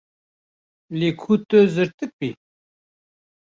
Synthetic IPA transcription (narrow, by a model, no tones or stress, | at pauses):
lekʰut̪øzəɾt̪ɨk̚pi